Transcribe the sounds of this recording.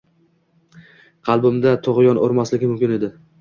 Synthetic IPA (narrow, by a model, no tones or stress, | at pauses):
qʰɑlˠbʊmd̪at̪ʰoʁɪjɒno̰ɾmaslɪɡʲɪmʊmkʲɪne̞d̪ɪ